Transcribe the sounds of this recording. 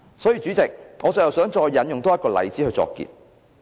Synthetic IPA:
sɔː˨˥jiː˧t͡syː˨˥t͡sɪ˨k̚ŋɔː˨˧t͡sɐ˨wjɐ˨˩wsœː˨˥ŋt͡sɔː˧jːɐ˨˥njʊ˨ŋt̪ɔː˥ɐ˥t̚kɔː˧lɐ̰˨˩jt͡siː˨˥hɵ˧jt͡sɔ̰ː˧kːḭː˧t̚

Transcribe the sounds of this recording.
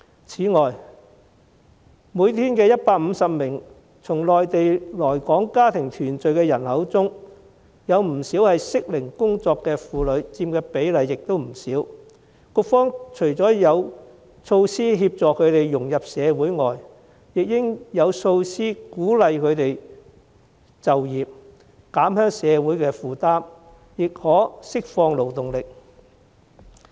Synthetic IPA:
t͡sʰiː˨˥ŋɔː˨j | muː˨˧jt̪ʰiː˥nkɛː˧jɐ˥t̚paː˧k̚m̩˨˧sɐ˨p̚mɪ˨˩ŋ | t͡sʰʊ˨˩ŋlɔː˨jt̪e˨jlɔː˨˩jkɔː˨˥ŋkaː˥t̪ʰɪ˨˩ŋt̪ʰyː˨˩nt͡ʃɵ˨ɥkɛː˧jɐ˨˩nhɐ˨˥wt͡sʊ˥ŋ | jɐ˨˧wm̩˨˩siː˨˥whɐ˨jsɪ˥k̚lɪ˨˩ŋkʊ˥ŋt͡sɔː˧kːɛː˧fuː˨lɵ˨˧ɥt͡siː˧mkɛː˧pe˨˥jlɐ˨jːɪ˨k̚t̪o˥wm̩˨˩siː˨˥w | kʊ˧k̚fɔː˥ŋt͡ʃʰɵ˨˩ɥt͡sɔː˨˥jɐ˨˧w | so˧wsiː˥ɦiː˧p̚t͡sɔː˨kʰɵ˨˧ɥt̪e˨jːʊ˨˩ŋjɐ˨p̚sɛː˨˧wuː˨˥jŋɔː˨j | jɪ˨k̚jɪ˥ŋjɐ˨˧wso˧wsiː˥kuː˨˥lɐ˨jkʰɵ˨˧ɥt̪e˨j | t͡sɐ˨wjiː˨p̚ | kaː˨˥mhœː˥ŋsɛː˨˧wuː˨˥jkɛː˧fuː˨˩t̪aː˥m | jɪ˨k̚hɔː˨˥sɪ˥k̚fɔː˧ŋlo˨˩wt̪ʊ˨ŋlɪ˨k̚

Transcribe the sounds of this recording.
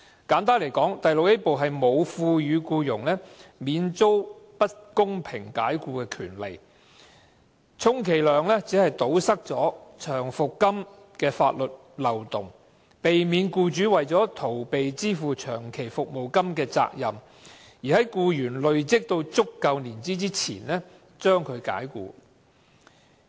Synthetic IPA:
kaː˨˥nt̪aː˥nle˨˩jkɔː˨˥ŋt̪ɐ˨jlʊ˨k̚jɐ˥po˨wɦɐ˨jmo˨˧wfuː˧jyː˨˧kuː˧jʊ˨˩ŋlɛː˥miː˨˧nt͡so˥wpɐ˥t̚kʊ˥ŋpʰɪ˨˩ŋka̰ː˨˥jkuː˧kɛː˧kʰyː˨˩nlḛ˨˩j | t͡sʰʊ˥ŋkʰe˨˩jlœː˨ŋlɛː˥t͡si˨˥hɐ˨jt̪o˨˥wsɐ˥k̚t͡sɔː˨˥t͡ʃʰœː˨˩ŋfʊ˨kːɐ˥m | kɛː˧fa̰ː˧t̚lɵ˨t̚ | lɐ˨˩wt̪ʊ˨˩ŋ | pe˨jmiː˨˧nkuː˧t͡ʃyː˨˥wɐ˨jt͡sɔː˨˥t̪ʰo˨˩wpe˨jt͡siː˥fuː˨t͡ʃʰœː˨˩ŋkʰe˨˩jfʊ˨k̚mo˨˩wkɐ˥mkɛː˧t͡sa̰ː˧k̚jɐ˨˩m | jiː˨˩hɐ˨˦˥jkuː˧jyː˨˩nlɵ˨ɥt͡sɪ˥k̚t̪o˧wt͡sʊ˥kːɐ˨˧wniː˨˩nt͡siː˥t͡siː˥t͡sʰḭː˨˩nlɛ˥ | t͡sœː˥ŋkʰɵ˨˧ɥka̰ː˨˥jkṵː˧

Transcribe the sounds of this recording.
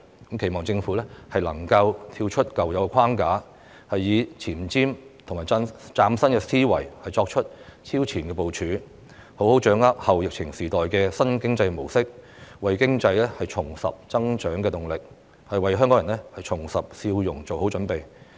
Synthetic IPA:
kɐ˨˥mkʰe˨˩jmɔː˨ŋt͡sɪ˧ŋfuː˨˥lɛ˥hɐ˨jlɐ̰˨˩ŋkɐ˧wt̪ʰiː˧wt͡ʃʰɵ˥t̚kɐ˨wjɐ˨˧wɛ˧kʰaː˥ŋkaː˨˥ | hɐ˨jːiː˨˧t͡sʰiː˨˩mt͡siː˥mt̪ʰʊ˨˩ŋmaː˨˩t͡saː˧˥msɐ˥nkɛː˧siː˥wɐ̰˨˩jhɐ˨jt͡sɔː˧k̚t͡ʃʰɵ˥t̚t͡sʰiː˥wt͡sʰiː˨˩nkɛː˧po˨wt͡ʃʰyː˨˥ | ho˨˥who˨˥wt͡ʃœː˨˥ŋɐ˥p̚hɐ˨wjɪ˨k̚t͡sʰɪ˨˩ŋsiː˨˩t̪ɔː˨jkɛː˧sɐ˥nkɪ˥ŋt͡sɐ˧jmo˨˩wsɪ˥k̚wɐ˨jkɪ˥ŋt͡sɐ˧jlɛ˥hɐ˨jt͡ʃʰʊ˨˩ŋsɐ̰˨p̚t͡sɐ˥ŋt͡ʃœː˨˥ŋkɛː˧t̪ʊ˨˩ŋlɪ˨k̚ | hɐ˨jwɐ˨jɦœ˥ŋkɔː˨˥jɐ˨˩nlɛ˥hɐ˨jt͡ʃʰʊ˨˩ŋsɐ˨p̚siː˧wjʊ˨˩ŋt͡so˨who˨˥wt͡ʃɵ˨˥npe˨j

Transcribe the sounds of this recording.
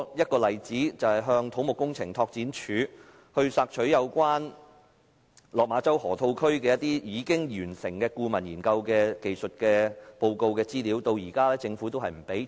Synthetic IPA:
jɐ˥t̚kɔː˧lɐ˨jt͡siː˨˥t͡sɐ˨whɐ˨jɦœː˧ŋt̪ʰo˨˥wmʊ˨kːʊ˥ŋt͡sʰɪ˨˩ŋt̪ʰɔː˧k̚t͡siː˨˥nt͡ʃʰyː˨˥ | hɵ˧ɥsaː˧k̚t͡ʃʰɵ˨˥ɥjɐ˨˧wkʷaː˥n | lɔː˨k̚maː˨˥t͡sɐ˥whɔː˨˩t̪ʰo˧wkʰɵ˥ɥkɛː˧jɐ˥t̪̚iː˥jiː˨˧kɪ˥ŋjyː˨˩nsɪ˨˩ŋkɛː˧kuː˧mɐ˨˩njiː˨˩nkɐ˧wkɛː˧ke˨jsɵ˨t̚kɛː˧po˧wko˧wkɛː˧t͡siː˥liː˨˥wt̪o˧wjiː˨˩kaː˥lɛː˥t͡sɪ˧ŋfuː˨˥t̪o˥wɦɐ˨jm̩˨˩pe˨˥j

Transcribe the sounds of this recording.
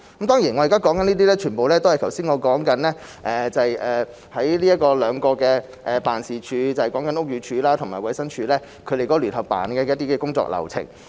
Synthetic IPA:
kɐ˦˥mt̪ɔː˥ŋjiː˨˩nŋɔ˨˧jkaː˥kɔː˨˥ŋkɐ˨˥niː˥t̪̬iː˥lɛː˥t͡ʃʰyː˨˩npo˨wlɛː˥t̪o˥whɐ˨jtʰɐ˨˩wsiː˥nŋɔː˨˧kɔː˨˥ŋkɐ˨˥nlɛː˥ | ʔɛː˨˩t͡sɐ˨jɛː˨˩ | hɐ˨˥jliː˥jɐ˥t̚kɔː˧lœː˨˧ŋkɔː˧kɛː˧ | ʔɛ˨paː˨nsiː˨˩t͡ʃʰyː˨˧t͡sɐ˨hkɔː˨˥ŋkɐ˨˥nʊ˥k̚jyː˨˧t͡ʃʰyː˨˧laː˥t̪ʰʊ˨˩ŋmaː˨jwɐ˨˥jsɐ˥ŋt͡ʃʰyː˨˧lɛː˥ | kʰɵ˨˧ɾe˨jkɔː˨˧˥lyː˨˩nhɐ˨p̚pːa̰ː˨˩nkɛː˧jɐ˥t̪̚iː˥kɛː˧kʊ˥ŋt͡sɔ̰ː˧k̚lɐ̰˨˩wt͡sʰɪ̰˨˩ŋ

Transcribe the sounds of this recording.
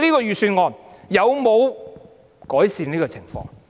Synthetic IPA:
liː˥kɔː˧ɥyː˨syː˧nŋɔː˨njɐ˨˧wmo˨˧w | kɔː˨˥jsiː˨niː˥kɔː˧t͡sʰɪ˨˩ŋfɔ̰ː˧ŋ

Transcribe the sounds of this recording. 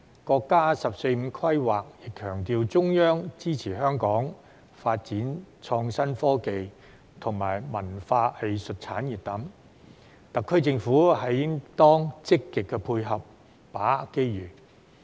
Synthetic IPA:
kɔː˧kːaː˥sɐ˨p̚se˧jm̩˨˧kʰwɐ˥jwaː˨k̚jɪ˨kʰːœː˨˩ŋt̪iː˧wt͡sʊ˥ŋjœː˥ŋt͡siː˥t͡sʰiː˨˩ɦœː˥ŋkɔː˨˥ŋ | faː˧t̚t͡siː˨˥nt͡sʰɔː˧ŋsɐ˥nfɔː˥ke˨j | t̪ʰʊ˨˩ŋmaː˨˩jmɐ˨˩nfaː˧he˨jsɵ˨t̚t͡sʰaː˨˥njiː˨t̚t̪ɐ˨˥m | t̪ɐ˨kʰːɵ˥ɥt͡sɪ˧ŋfuː˨˥hɐ˨jjɪ˥ŋt̪ɔː˥ŋt͡sɪ˥kːɪ˨kːɛː˧pʰuː˧jɦɐ˨p̚ː | aː˨˥ke˥jɥyː˨˩

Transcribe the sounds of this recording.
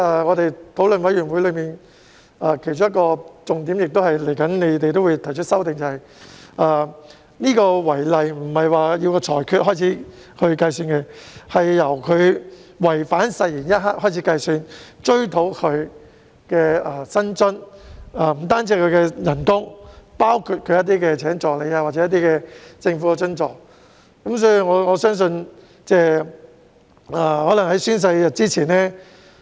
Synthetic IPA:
aː˧˩ŋɔː˨˧t̪e˨jt̪ʰo˨˥wlɵ˨nwɐ˨˥jɥy˨˩nwu˨˥lɵ˨˧ɥmiː˨˩n | ʔaː˨˧kʰe˨˩jt͡ʃʊ˥ŋjɐ˥kɔː˧t͡sʊ˨ŋt̪iː˨˥mjɪ˨k̚t̪o˥whɐ˨jle˨˩jkɐ˨˥nne˨˧t̪e˨jt̪̬o˥wuː˨˧jt̪ʰɐ˨˩jt͡ʃʰɵ˥sɐ˥wt̪ɪ˨˧ŋt͡sɐ˨hɐ˨j | ʔɐː˧ | niː˥kɔː˧wɐ˨˩jlɐ˨jm̩˨˩hɐ˨jwaː˨jiː˧wkɔː˧t͡sʰɔː˨˩jkʰyː˧t̚ɦɔː˥jt͡sʰiː˨˥ | kʰɵ˧ɥkɐ˧jsyː˧nkɛ˧hɐ˨jːɐ˨˩wkʰɵ˨˧ɥwɐ˨˩jfaː˨˥nsɐ˧jjiː˨˩njɐ˥t̚ɦaː˥k̚hɔː˥˩jt͡sʰiː˨˥kɐ˧jsyː˧nt͡ʃɵ˥ɥt̪ʰo˨˥wkʰɵ˨˧ɥ | kɛː˧aː˨˩sɐ˥nt͡sɵ˥naː˨m̩˨˩t̪aː˥nt͡siː˧˥kʰɵ˨˧ɥkɛ˧jɐ˨˩nkʊ˥ŋpaː˥wkʰu˧t̚kʰɵ˨˧ɥjɐ˥t̪̬̚iː˥kɛː˧t͡sʰɛː˨˥ŋt͡sɔː˨k̚le˨˧jaː˧waː˨t̚t͡sɛː˨˦˥ɐ˥t̬̪iː˥kɛː˧t͡sɪ˧ŋfu˨˥ɛ˧t͡ʃɵ˥nt͡sɔː˨˩k̚ | kɐ˨˥ms̬ɔː˨˥ji˨ŋɔː˨˧ŋɔː˨˧sœː˥ŋs̬ɵ˧n | t͡sɛː˥˩ | aː˨˩hɔː˨˥lɐ˨˩ŋhɐ˨˥jsyː˥ns̬ɐ˧jjɐ˨t̚t͡siː˥t͡sʰiː˨˩nɛː˥

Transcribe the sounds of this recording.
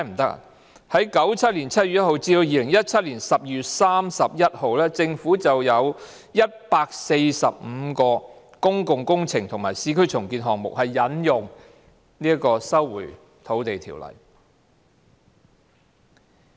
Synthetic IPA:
m̩˨˩t̪ɐ˥k̚ | hɐ˨˥jkɐ˨˥wt͡sʰɐ˥t̚liː˨˩nt͡sʰɐ˥t̚y˨t̚jɐ˥t̚ho˨˧wt͡siː˧d̪o˧wjiː˨˧lɪ˨˩ŋjɐ˥t̚t͡sʰɐ˥t̚liː˨˩nsɐ˨p̚jyː˨t̚saː˥msɐ˨p̚jɐ˥t̚ho˨wlɛː˥t͡sɪ˧ŋfuː˨˥t͡sɐ˨wjɐ˨˧w | jɐ˥t̚paː˧k̚se˧jsɐ˨p̚m̩˨˧kɔː˧ | kʊ˥ŋkʊ˨ŋkʊ˥ŋt͡sʰɪ˨˩ŋt̪ʰʊ˨˩ŋmaː˨˩jsiː˧˥kʰɵ˥jt͡sʰʊ˨˩ŋkiː˧nɦɔː˨ŋmʊ̰˨k̚hɐ˨jːɐ˨˥njʊ˨ŋ | niː˥ɐ˥kɔː˧sɐ˥wːṵː˨˩j | t̪ʰo˨˥wt̪e˨jt̪ʰḭː˨˩wlɐ̰˨˩j

